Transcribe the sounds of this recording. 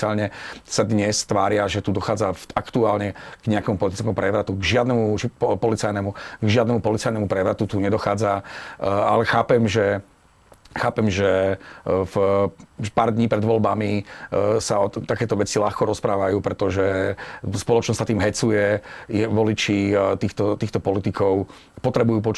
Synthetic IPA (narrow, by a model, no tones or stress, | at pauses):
aːlɲɛsad̪ɲɛst̪ʋaːɾɪaʒɛt̪uːd̪ɔxaːd͡zaakt̪uaːlɲɛɡ̥ɲɛakɛmupɔlit̪i̥t͡skɛmupɾɛʋɾat̪uɡʒɪad̪nɛmupɔlit͡sajnɛmuɡʒɪad̪nɛmupɔlit͡sajnɛmupɾɛʋɾat̪ut̪uɲɛd̪ɔxaːd͡za | a̰lɛxaːpɛmʒɛ | xaːpɛmʒɛ | f | paːɾd̪ɲiːpɾɛd̪ʋɔlbami | saɔt̪akɛːt̪ɔʋɛt͡silaxkɔɾɔspɾaːʋajuːpɾɛt̪ɔʒɛspɔlɔt͡ʃnɔssat̪iːmɦɛt͡sujɛjɛʋɔlit͡ʃit̪iːxt̪ɔt̪iːxt̪ɔpɔlit̪ikɔʊ | pɔt̪ɾɛbujuːp̬ɔt͡ʃ